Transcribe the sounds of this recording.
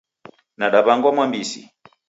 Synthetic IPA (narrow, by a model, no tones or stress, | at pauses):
naɗaβaŋɡwamwambisḭ